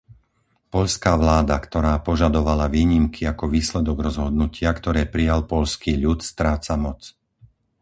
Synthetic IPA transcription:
pɔʎskaːʋlaːd̪akt̪ɔɾaːpɔʒad̪ɔʋalaʋiːɲimkʰiakɔʋiːslɛd̪ɔɡɾɔzɦɔd̪nucɪakt̪ɔɾɛːpɾijalpɔʎskiːʎut̪st̪ɾaːt͡samɔt͡s

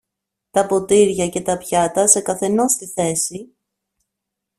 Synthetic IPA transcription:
t̪ɐpo̞t̪iɾʝɐce̞t̪ɐpçɐt̪ɐse̞kɐθe̞no̞st̪iθe̞si

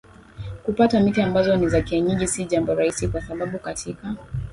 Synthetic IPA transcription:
kupatamitiambazɔnizakiaɲiʄisiʄambɔɾaisikwasaɓaɓukatʰika

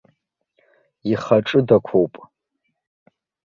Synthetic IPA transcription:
iχaʈ͡ʂʼɨdakʷʰowpʼ

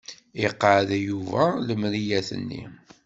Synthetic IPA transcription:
iqːʕðæjuvæləmɾijæθə̰nːḭ

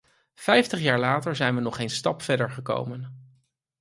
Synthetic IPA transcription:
fɛjftəχjaːɹlaːtəɹzɛjnʋənɔχejnstɑpfɛdəɹχəko̰wmən

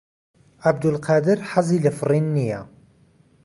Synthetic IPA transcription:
ʕabd̪əlqɑːd̪əɾħɑzˤiləfɾˤinːija

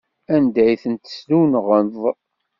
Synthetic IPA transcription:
ænd̪æjθənt̪ə̥sðunʁənðˤ

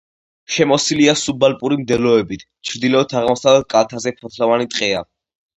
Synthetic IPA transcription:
ʃɛmɔsiliasubalpʼuɾimd̪ɛlɔɛbit̪ʰ | t͡ʃʰɾd̪ilɔɔt̪ʰaʁmɔsavlɛt̪̚kʼalt̪ʰazɛpʰɔt̪ʰlɔvanit̪ʼqʼɛa

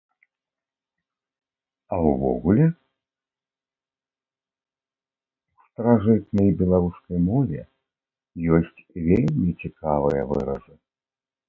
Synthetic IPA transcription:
ɐwvɔ̰ɣulʲɛ | wst̪ɾaʐɨt̪̚nɐjbʲɛlˠaɾuskɐjmɔvʲɛ̰ | jɔsʲt͡sʲvʲelʲmʲit͡sʲikavɨjɐvɨ̰ɾɐ̰ʐɨ

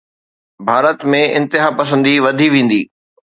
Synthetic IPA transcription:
bʱaːɾət̪mẽʔɪ̰̃nt̪ɪɦaːpɐs̬ə̃nd̪iʋɐd̪ʱiʋẽːn̆d̪iː

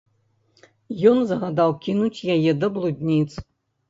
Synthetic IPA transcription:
jɔnzɐɣad̪awkʲinut͡sʲjajɛd̪ɐblˠud̪ʲnʲit̪s

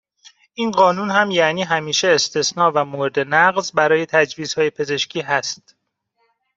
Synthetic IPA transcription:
ʔiːnɢɒːnunhæmjæniːɦæmiːʃe̞ːst̪ʰe̞snɒːvæmoɾed̪e̞næɣzbæɾɒːje̞t̪ʰæd͡ʒviːz̥hɒːje̞pʰe̞ze̞ʃcʰiːɦæst̪

